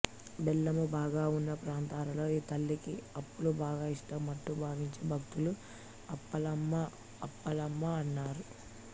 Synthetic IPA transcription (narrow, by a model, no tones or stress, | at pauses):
bɛlːɐmubaːɡaːunːɐpɾaːnt̪aːlɐlo̞ːiːt̪ɐlːikiɐpːulubaːɡaːiʂʈɐmːɐʈ̪ːubʱaːʋiɲt͡ʃebʱɐkt̪ulu | ɐpːɐlɐmːɐ | ɐpːɐlɐmːɐɐnːaːɾu